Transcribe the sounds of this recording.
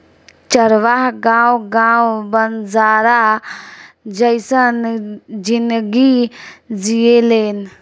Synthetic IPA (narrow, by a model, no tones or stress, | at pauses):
t͡ʃəɾʋaɦɡãːwɡãːwbənzaːɾa | d͡ʒəɪsənd͡ʒɪnɡid͡ʒijeleːn